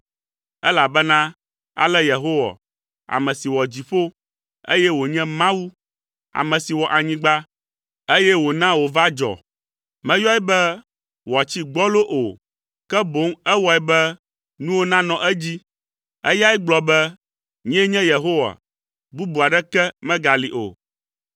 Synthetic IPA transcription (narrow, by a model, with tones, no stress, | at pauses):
ɛ˦la˨bɛ˦nã˦ | a̰˨lɛ˦je˨ɦo˦wa̰˨ | a̰˨mɛ̃˨si˨wɔ˨d͡ʑi˨ɸo˦ | ḛ˦jɛ˦wo˨ɲɛ̃˦mã˦wu˦ | a̰˨mɛ̃˨si˨wɔ˨ʔa˨ɲĩ˦ɡ͡ba˦ | e˦jɛ˦wo˨nã˦wo˨va˦d͡ʒɔ̰˨ | mɛ̃˦jɔ˦ɛ˦bɛ˦ | wɔ˨a˨t͡ɕi˦ɡ͡bɔ˦lo˦ʔo˨ | kɛ˦bo˨˦ŋɛ˦wɔ˨ɛ˨bɛ˦ | nũ˦wo˦nã˦nɔ̃˨ʔɛ˦d͡ʑi˦ | ɛ̰˦ja˦ɛ˦ɡ͡blɔ˨bɛ˦ | ɲ̃˦ɛ˦ɲɛ̃˦je˨ɦo˦wa̰˨ | bu˦bu˨a˨ɖɛ˦kɛ˦mɛ̃˦ɡa˨li˨ʔo̰˨